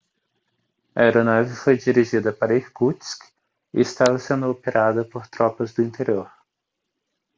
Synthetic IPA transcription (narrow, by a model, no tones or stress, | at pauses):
ɐ̰eɾonawvɪfojd͡ʒiɾiʒid̪ɐpaɾɐihkut̪sk | ɪ̰ɪst̪avɐsẽnd̪ʊopeɾʔad̪ɐpoɾt̪ɾɔpɐzd̪ʊĩnt̪eɾioɾ